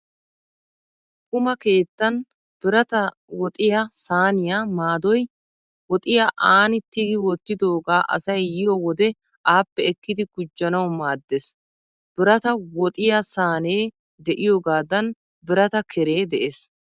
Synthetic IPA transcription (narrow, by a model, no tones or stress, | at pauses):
kʊmɐke̞ːt̪ːɐn | b̥ɪɾɐt̪ɐ | wɔt̪ʼɪjasaːnɪjaːmaːd̪ɔj | wɔt̪ʼɪjaʔaːnɪt̪ːɪɡɪwɔt̪ːɪd̪o̞ːɡaːʔɐ̰sɐjːɪjɔwɔd̪ɛ | ʔaːpːɛɛkːɪd̪ɪɡʊd͡ʒːɐnɐwmaːd̪ːes | b̥ɪɾɐt̪ɐwɔt̪ʼɪjasaːneː | d̪ɛʔɪjoːɡaːd̪ɐn | bɪɾɐt̪ɐkʰɛɾe̞ːd̪ɛʔeːs